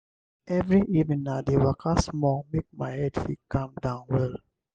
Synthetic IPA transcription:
ʔɛvɹiʔivnĩŋnadewakʰasmɔ̃ŋmek̚majhɛdfikãmdãʊ̃nwɛl

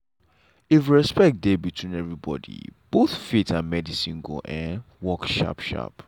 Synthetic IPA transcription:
ifɹɛspɛk̚debitʰwĩnɛvɹibɔ̰dḭb̥oθfitʰãnmɛdisĩnɡo̰ʔɛ̃n | wɔkʃɔ̰pʃa̰p

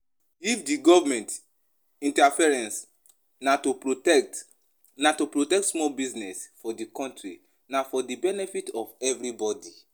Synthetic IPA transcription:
ifdiɡɔvmɛ̃nt | ĩntafɛɹɛ̃ns | nato | natopɹotɛk̚tsmɔlbiznɛsfɔdikɔ̃ntɹi | nafɔdibɛnɛfitɔvɛvɾibɔdi

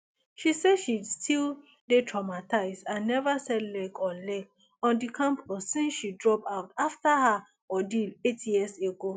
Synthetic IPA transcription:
ʃiseʃistʰil | detʰɹamatʰaɪzdãnːɛvəsɛdlɛɡɔlɛk̚ | ɔ̃ndikʰãmpʰɔsːĩnsʃidɹɔpaʊtaftaha | ɔdiletʰjiəseɡo

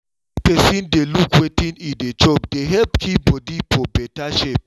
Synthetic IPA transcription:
pɛsĩndelukwetĩnĩdet͡ʃopdeɦɛlpkʰip̚bɔdifɔbɛtaʃep̚

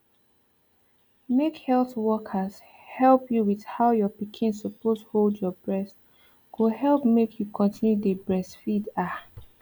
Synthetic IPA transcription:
mekhɛlθwɔkʰəz | hɛlpjuwið̥haʊjɔpikʰĩnssopostholdjɔbɹɛs | kʰohɛlpmekʰjukʰɔ̃ntʰĩnjudəbɹɛsfida

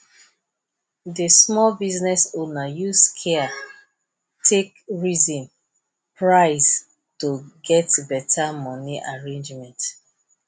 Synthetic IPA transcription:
desmɔlbiznɛsonajuskʰɛa | tʰekɹizɔ̃n | pɹaɪs | toɡɛtbɛtʰamɔniʔaɹẽnd͡ʒmɛ̃nt

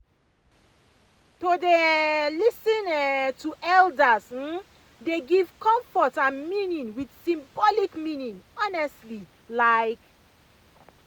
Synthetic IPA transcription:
todelisĩnɛtuʔɛldəs̩ | deɡiv̥kɔ̃ɱfɔtãnmĩnĩŋwidsĩmbɔlikmĩnĩŋɔnɛstli | laɪk

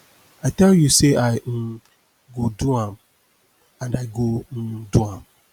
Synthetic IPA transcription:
aɪtɛljuseʔan̩ | ɡodũãm | ãndaɪɡon̩dũãm

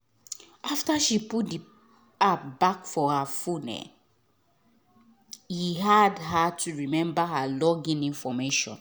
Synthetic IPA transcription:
ʔaftaʃiput̚di | ap̚bakfɔhafunɛ̰ | hiɦadɦatʰuɹimɛ̃mbaɦalɔɡĩnĩnfɔmeʃɔ̰̃n

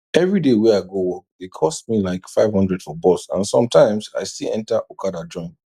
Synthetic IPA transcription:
ɛvɹidewɛaɪɡowɔk̚dekʰɔstmilaɪkfaɪv̥hʌ̃ndɹɛd̥fɔbɔsã̰nsɔ̃mtʰãɪ̃msa̰ɪstilˠɛ̰̃ntaʔokʰadad͡ʒɔ̃ɪ̃n

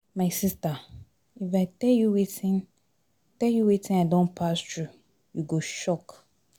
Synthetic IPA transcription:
mãɪsista | ifaɪtʰɛljuwetʰĩn | tʰɛljuwetʰĩnadɔ̃npʰastʰɹu | juɡoʃɔk

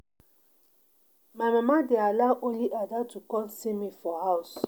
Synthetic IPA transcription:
mamamadealawʔõnliʔadatukɔlsimifɔhaʊs

